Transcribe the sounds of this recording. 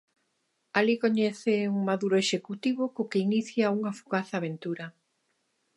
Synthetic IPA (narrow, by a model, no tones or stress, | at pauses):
alikoɲɛθeuŋmaðuɾoeʃekut̪iβokokeiniθjauŋafuɣaθaːβ̞ent̪uɾɐ